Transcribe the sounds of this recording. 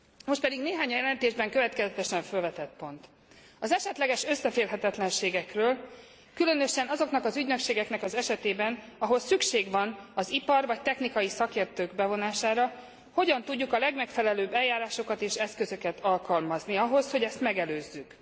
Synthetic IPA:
mo̞ʃt̪pɛd̪iɡneːɦaːɲɒjɛlɛnt̪eːʒbɛŋkøvɛt̪kɛzɛt̪ɛʃɛɱfølvɛt̪ɛt̪̚po̞nt̪ | ɒzɛʃɛt̪lɛɡɛʃø̞sːɛfeːrɦɛt̪ɛt̪lɛnʃeːɡɛkrøːl | kylø̞nøʃɛnɒzo̞knɒkɒzyɟnøkʃeːɡɛknɛkɒzɛʃɛt̪eːbɛn | ɒɦo̞lsykʃeːɡʋɒnɒzipɒrvɒc̚t̪ɛxnikɒjisɒkeːrt̪øːɡbɛvo̞naːʃaːɾɒ | ho̞ɟɒnt̪uɟːukɒlɛɡmɛkfɛlɛløːbːɛljaːɾaːʃo̞kɒt̪eːʃɛskøzø̞kɛt̪ɒlkɒlmɒzniɒɦo̞sho̞ɟɛst̪mɛɡɛløːzːyk

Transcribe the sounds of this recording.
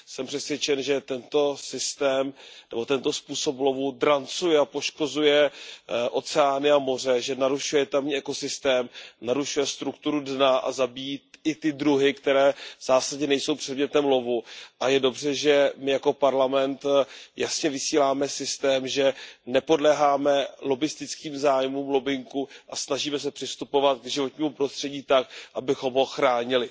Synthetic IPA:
sɛmpr̥ɛsvjɛt͡ʃɛnʒɛt̪ɛnt̪o̞sɪst̪ɛːmnɛbo̞t̪ɛnt̪o̞spuːso̞plo̞vud̪ɾant͡sujɛapo̞ʃko̞zujɛʔo̞t͡sɛaːnɪamo̞r̝ɛʒɛnaɾuʃujɛt̪amɲiːʔɛko̞sɪst̪ɛːmnaɾuʃujɛst̪ɾukt̪uɾudnaʔa̰zabijiɪt̪ɪdɾuɦɪkt̪ɛɾɛːvz̥aːsaɟɲɛnɛjso̞wpr̥ɛdmɲɛt̪ɛmlo̞vuʔajɛdo̞br̝ɛʒɛmɪjako̞paɾlamɛnt̪jasɲɛvɪsiːlaːmɛsɪst̪ɛːmʒɛnɛpo̞dlɛɦaːmɛlo̞bɪst̪ɪt͡skiːmzaːjmuːmlo̞bɪŋkuʔasnaʒiːmɛs̬ɛpr̥ɪst̪upo̞vat̪̚ɡʒɪvo̞t̪ɲiːmupɾo̞st̪r̥ɛɟiːt̪ak̚ʔabɪxo̞mɦo̞xɾaːɲɪlɪ

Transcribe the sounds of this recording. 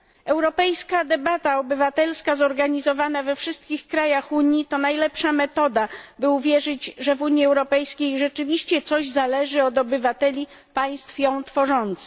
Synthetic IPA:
ɛwɾɔpɛjskad̪ɛbat̪aɔbɘvat̪ɛlskazɔɾɡaɲizɔvanavɛfʂɘst̪̚kʲixkɾajaxuɲjit̪ɔnajlɛpʂamɛt̪ɔd̪abɘuvʲjɛʐɘd͡ʑʐɛvuɲjiɛwɾɔpɛjskʲejʐɛt͡ʂɘvʲiɕt͡ɕɛt̪sɔʑzalɛʐɘɔd̪ɔbɘvat̪ɛlʲi | paj̃st̪fjɔ̃w̃t̪fɔʐɔnt̪sɘ̥

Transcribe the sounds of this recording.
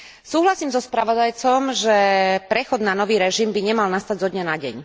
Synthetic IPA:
suːɦlasiːmzɔspɾaʋɔd̪ajt͡sɔmʒɛpɾɛxɔd̪nanɔʋiːɾɛʒimbiɲɛmalnast̪aɟzɔd̪ɲanaɟɛ̰ɲ

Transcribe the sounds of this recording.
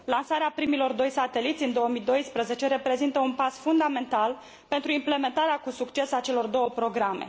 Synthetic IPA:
lansaɾeapɾimilo̞rd̪o̞jsat̪e̞lit̪sʲɨnd̪o̞wəmid̪o̞jspɾəze̞t͡ʃe̞ɾe̞pɾe̞zint̪əunpasfund̪ame̞nt̪al | pe̞nt̪ɾuimple̞me̞nt̪aɾeakusukt͡ʃe̞sat͡ʃe̞lo̞rd̪o̞wəpɾo̞ɡɾame̞̰

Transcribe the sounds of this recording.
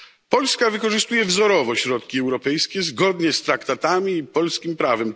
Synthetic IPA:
pɔlskavɘkɔʐɘst̪ujɛvzɔɾɔvɔɕɾɔt̪kʲiɛwɾɔpɛjskʲɛzɡɔd̪ɲɛst̪ɾakt̪at̪amʲiːpɔlskʲimpɾavɛm

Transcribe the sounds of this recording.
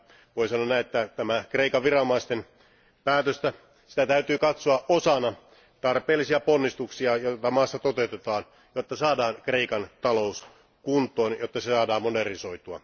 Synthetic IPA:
ʋoisɑnːonːæiet̪ːæt̪æmækreikɑʋʋirɑnomɑist̪en | pæːt̪øst̪æ | si̥t̪æt̪æyt̪yːkɑt̪soɑʔosɑnɑ | t̪ɑrpeːlːisiɑponːist̪uksiɑjot̪ɑmɑːsːɑt̪ot̪eut̪et̪ɑːn | jot̪ːɑsɑːdɑːnkre̞ikɑnt̪ɑlous | kunt̪ˑoːnjot̪ːɑsesɑːdɑːmmoderniso̞it̪uɑ̰

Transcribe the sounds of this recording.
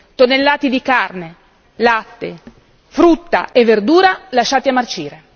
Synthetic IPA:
t̪onelːaːt̪id̪ikarne | lat̪ːe | fɾut̪ːa̰evːerd̪uːɾalaʃːaːt̪iamːart͡ʃiːɾe

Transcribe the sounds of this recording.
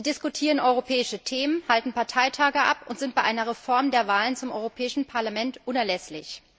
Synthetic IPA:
idɪskutʰiːʁənʔɔʏʁopʰɛːɪʃətʰeːmənhaltn̩paɐtʰaɪtʰaːɡəʔa̰pʊntz̥ɪnt̚aɪʔaɪnɐʁɛfɔɐmdeːɐvaːlənt͡sʊmʔɔʏʁopʰɛːɪʃn̩pʰaɐlamɛntʔʊnɛɐlɛslɪç

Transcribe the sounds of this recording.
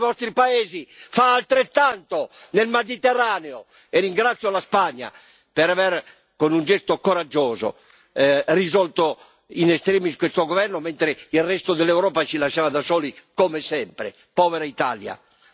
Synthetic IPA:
vɔst̪ɾipaeːzifaːlt̪ɾet̪ːant̪onelmed̪it̪ɛrːaːneo | ɛːiŋɡɾat̪sːjolaspaɲːa̰ | pɛɾavɛɾ | konund͡ʒɛst̪okoɾad͡ʒːɔːzo̰ | rizɔlt̪o | inɛst̪ɾɛːmiskwest̪oɡovɛrnomɛnt̪ɾeirːɛst̪od̪ɛlːɛwɾɔːpat͡ʃilaʃːaːvad̪asɔːlikomesɛmpɾḛ | pɔːvɛɾait̪a̰ːlja̰

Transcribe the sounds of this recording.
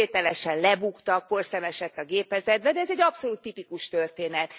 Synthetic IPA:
eːt̪ɛlɛʃɛnlɛbukt̪ɒk̚po̞rsɛmɛʃɛt̪ːɒɡeːpɛzɛd̪̚bɛd̪ɛɛzɛɟːɒpso̞luːt̪ːipikuʃt̪ørt̪eːnɛt̪

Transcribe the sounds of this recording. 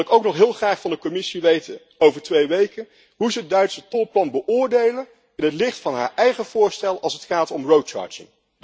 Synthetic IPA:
lˠɪkowknɔχɦɪːlˠχraːχfɑndəkɔmɪsiʋejtən | owvəɹtʋejʋejkən | ɦuzəəd̚dœɥtsətɔlˠplɑnbəʔʊːɹdejlən | ɪnətlɪχtfɑnɦa̰ːɹʔɛjχəv̥ʊːɹstɛlˠɑlˠsətχaːtɔmrowt͡ʃɑ̰ːɹd͡ʒɪ̰ŋ

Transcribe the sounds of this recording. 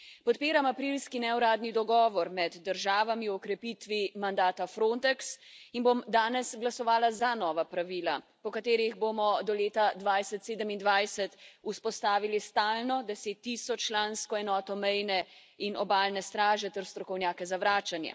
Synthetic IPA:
pɔt̪piːɾamapɾilskinɛwɾaːd̪nid̪ɔɡɔːʋɔɾmɛd̪ːəɾʒaːʋamiɔkɾɛpit̪ʋimand̪aːt̪afɾont̪ɛksinbomd̪aːnɛsɡlasɔʋaːlazanɔːʋapɾaʋiːlapɔkat̪eːɾiɣbomɔd̪ɔleːt̪ad̪ʋajsɛt̪seːd̪əmind̪ʋajsɛt̪uspɔst̪aːʋilist̪aːlnɔd̪ɛseːt̪ːisɔt͡ʃːlaːnskɔɛnɔːt̪ɔmɛjnɛ | inɔbaːlnɛst̪ɾaːʒɛt̪ɛɾst̪ɾɔkɔwnjaːkɛzaʋɾaːt͡ʃanjɛ̰

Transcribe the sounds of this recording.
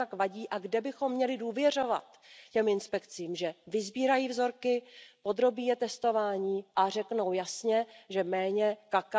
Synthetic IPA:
akvaɟiːʔaɡdɛbɪxo̞mːɲɛlɪduːvjɛr̝o̞va̰t̪ | cɛmɪnspɛkt͡siːmʒɛvɪzbiːɾajiːvzo̞ɾkɪpo̞d̪ɾo̞biːjɛt̪ɛst̪o̞vaːɲiːʔar̝ɛkno̞wjasɲɛʒɛmɛːɲɛkak

